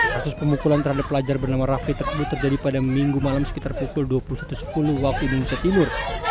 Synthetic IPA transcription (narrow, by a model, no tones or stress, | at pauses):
kasʊspəmukulant̪ərhadapːəlad͡ʒarbərnamaraflit̪ərsəbʊt̪ːərd͡ʒadipadamiŋɡumalamsə̥pit̪arpukʊlduapuhusḁt̪usə̥puluhwak̚t̪uindonesiat̪imʊr